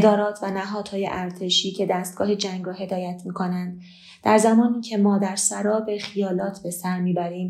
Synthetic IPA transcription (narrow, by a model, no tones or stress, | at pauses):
d̪ɒːɾɒːt̪ʰvænæɦɒːd̪̥hɒːje̞̰ʔæɾt̪ʰe̞ʃiːcʰe̞d̪æːst̪ɡ̥ɒːhe̞d͡ʒæŋɡɾɒːhe̞d̪ɒːjæt̪ʰmiːkʰonænd̪̥ | d̪̥æɾzæmɒːniːcʰe̞mɒːd̪æɾsæɾɒːbe̞xijɒːlɒːt̪ʰbe̞sæɾmiːbæɾiːm